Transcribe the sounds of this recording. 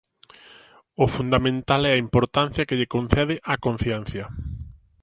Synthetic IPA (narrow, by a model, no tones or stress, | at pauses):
ʊfund̪amẽnt̪alɛɐimpoɾt̪an̟θjɐkɪʎekon̟θɛðɪʔɐkon̟θjɛn̟θjɐ